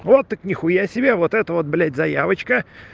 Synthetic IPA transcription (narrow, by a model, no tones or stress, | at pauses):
vot̪ːəknʲɪxʊjasʲɪbʲevot̪ɛt̪əvo̞t̪̚blʲetʲzɐjavət͡ɕkə